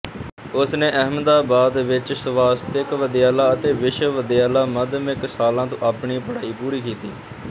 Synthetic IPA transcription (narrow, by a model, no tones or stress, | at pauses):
ʊsnẽːʔəɦmd̪aːbaːd̪ʋɪt͡ʃsəʋaːst̪ɪkʋəd̪ɪjaːlaːət̪eːʋɪʃʋəd̪ɪjaːlaːməd̪mɪksaːlãːt̪õ̰ːʔaːpɳiːpəɽaːiːpuːɾiːkiːt̪ḭː